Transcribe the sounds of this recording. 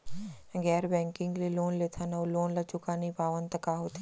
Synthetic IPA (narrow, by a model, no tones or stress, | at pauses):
ɡɛːɾbɛ̃ːŋkɪ̃ŋɡliloːnleːt̪ʰanɐuloːnlɐt͡ʃʊkanipaːʋənt̪əkaɦoːt̪ʰ